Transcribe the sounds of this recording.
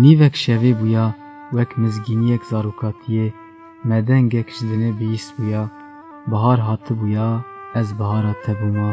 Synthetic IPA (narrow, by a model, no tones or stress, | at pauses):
niːvɛkʃɛveːbujɑ | wɛkmɨzɡiːnijɛkz̥ɑːɾuːkʰɑːt̪ʰije | mɛd̪ɛŋɡɛkʒɨd̪ɨnebɨjist̪̚buːjɑː | bɨɦɑːɾɦɑːt̪ʰɨbujɑːɛzbɨhɑːɾɑːt̪ʰɛbumɑ